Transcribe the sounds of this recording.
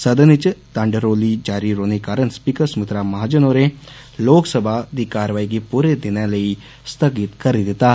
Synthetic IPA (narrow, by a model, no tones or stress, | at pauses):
səd̪ənit͡ʃt̪ãɳɖəɾolid͡ʒaɾiɾonikaɾənspikəɾsmit̪ɾamɐɦad͡ʒənoɾe | loksəbʱad̪ikaɾʋaiɡipuɾed̪injaləi | st̪ʰəɡit̪kəɾid̪it̪a